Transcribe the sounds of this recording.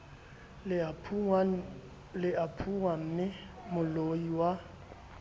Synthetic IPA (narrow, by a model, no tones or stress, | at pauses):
lɪapʰuŋam̩ːnɪ | mʊloiwa